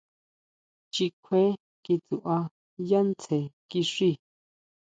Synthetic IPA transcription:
t͡ʃi˧kʷʰe˦ | ki˧t͡su˨ʔa˧ | ja˦nt͡se˨ki˧ʂi˦˨

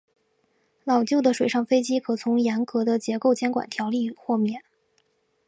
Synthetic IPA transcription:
lɑ˨˩ʊt͡ɕjo˥˩ʊd̪ə˩ʂwe˨˩ɪɑ˥˩ŋfe˥ɪt͡ɕi˥kʰɤ˨˩t͡sʰʊ˧˥ŋjɛ˧˥nkɤ˧˥d̪ə˧t͡ɕjɛ˧˥ko˥˩ʊt͡ɕjɛ˥nkwa̰˨˩nt̪ʰjɑ˧˥ʊli˥˧xwɔ˥˧mjɛ˥˩˦n

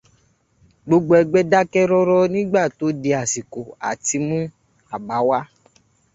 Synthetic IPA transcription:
ɡ͡bo˧ɡ͡bo˧˦ɛ˧ɡ͡bɛ˦da˦kɛ˦ɾɔ˦ɾɔ˦nĩ˦ɡ͡ba˦˨to˨˦de˧a˨si˨ko˨a̰˨ti˨˧mũ˦ | a˨ba˨˦wa˦

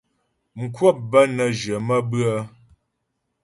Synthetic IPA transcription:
ŋ̩˨kʰwə˦˨p̚bə˦nə˨d͡ʒə˨mə˦bɰə˦

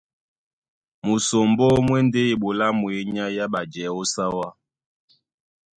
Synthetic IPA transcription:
mu˨so˨mbɔ˦mwɛ˦nde˦i˨ɓo˨la˦mwe˨˦ɲa˦ja˦ɓa˨d͡ʒɛ˨˦o˦sa˦wa˦

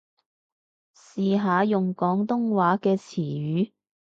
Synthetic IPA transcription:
siː˨ɦaː˨˧jʊ˨ŋkɔː˨˥ŋt̪ʊ˥ŋwaː˨˥kɛː˧t͡sʰiː˨˩ɥyː˨˥

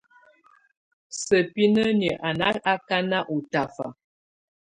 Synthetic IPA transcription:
sə˨pi˦nə˦nə˨ʔa˨na˦a˦ka˦na˦ʔu˨ta˨fa̰˨

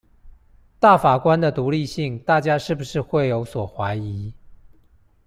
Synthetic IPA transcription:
t̪a˥˩fa˨˩kwa˦nd̪ə˨t̪u˧˥li˥˧ɕi˥˩ŋt̪a˥˩t͡ɕja˥ʂɻ̩˥˩bu˩ʂɻ̩˥˧xwe˥˩ɪjo˧˥ʊswɔ˨˩xwa˧˦ɪi˧˦

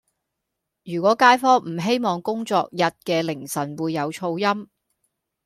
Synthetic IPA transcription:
jyː˨˩kʷɔː˨˥kaː˥jfɔː˥m̩˨˩ɦe˥jmɔː˧ŋkʊ˥ŋt͡sɔ̰ː˧k̚jɐ˨t̚kɛː˧lɪ˨˩ŋsɐ˨˩nwuː˨˧jːɐ˨˧wt͡ʃʰo˧wjɐ˥m

